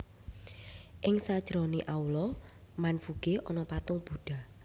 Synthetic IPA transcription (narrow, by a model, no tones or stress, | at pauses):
ʔɪŋsad̥ʒ̥ɾɔniʔaulɔ | manfuɡ̥eʔɔnɔpat̪ʊŋb̥uɖ̥a̤